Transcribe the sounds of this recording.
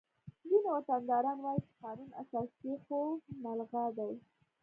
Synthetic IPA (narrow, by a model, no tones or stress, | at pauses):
ɡinawat̪and̪ɑɾɑnwɑjit͡ʃe̥qɑnuna̰sɑspexomalɣad̪aj